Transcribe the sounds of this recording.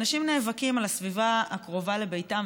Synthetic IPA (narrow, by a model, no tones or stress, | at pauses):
naʃimneːvakimalasvivaakʁo̞vale̞be̞jtam